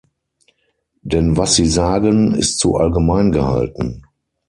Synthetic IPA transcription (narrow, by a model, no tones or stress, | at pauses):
d̥ɛnvasz̥iːzaːɡənɪ̰stz̥ṵʔalɡəmaɪnɡəha̰ltn̩